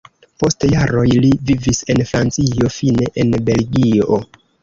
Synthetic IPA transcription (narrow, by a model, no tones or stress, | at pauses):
po̞stjaɾo̞jlivivise̞nfɾant͡sio̞fine̞ʔenbe̞lɡio̰